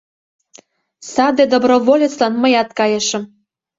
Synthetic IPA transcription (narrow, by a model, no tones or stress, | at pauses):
sɑd̪ed̪obroβolʲet͡slɑnməjɑt̪kɑjɤʃə̆m